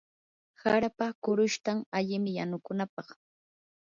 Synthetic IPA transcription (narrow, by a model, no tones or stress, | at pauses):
haɾapakʊɾʊʃt̪aŋaʎɪmɪjanʊkʊnapɑχ